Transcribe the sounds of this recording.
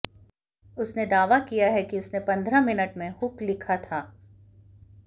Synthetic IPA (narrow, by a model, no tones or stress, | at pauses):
ʊsned̪aːʋakijaɦɛkiʊsnepɐ̃nd̪ʱɾamɪnəʈmẽhʊklɪkʰat̪ʰaː